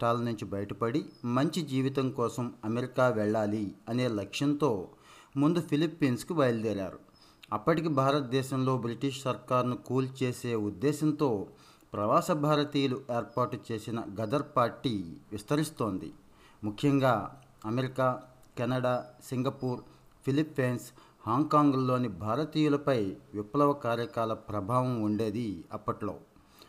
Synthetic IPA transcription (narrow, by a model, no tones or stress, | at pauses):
ʈaːlnuɲt͡ʃibɐjɐʈɐpɐɽimɐɲt͡ʃid͡ʒiːʋit̪̬ɐŋkɔːsɐmɐmeɾikaːʋɛɭːaːliɐne̞ːlɐkʂjɐnt̪o̞ː | mund̪upʰilipːiːnskuʋɐjɐld̪ɛːɾa̰ːɾṵ | ɐpːɐʈik̬ibʱaːɾɐt̪̚d̪ɛːʃɐmlo̞ːbɾiʈiʂsɐɾkaːɾnukuːlt͡ʃe̞ːse̞ːud̪ːɛːʃɐnt̪o̞ː | pɾɐʋaːsɐbʱaːɾɐt̪iːjɐluʔe̞ːɾpaːɾʈt͡ʃe̞ːsinɐ̰ɡɐd̪ɐɾpaːɾʈiːʋist̪ɐɾist̪o̞ːnd̪ḭ | mukʰːjɐŋɡaː | ɐmeɾikaː | kɛnɐɽaːsiŋɡɐpuːɾ | pʰilipːeːns | haːŋɡkaːŋɡlo̞ːnibʱaːɾɐt̪iːjulɐpɐjʋipːɐlɐʋɐkaːɾjɐkaːlɐpɾɐbʱaːʋɐmuɳɖe̞ːd̪iɐpːɐʈlo̞̰ː